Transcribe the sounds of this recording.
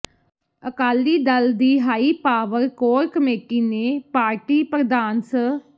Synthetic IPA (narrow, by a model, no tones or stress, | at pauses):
əkaːliːd̪əld̪iːɦaːiːpaːʋəɾkoːɾkəmeːʈiːneːpaːɾʈiːpɾəd̪aːnsə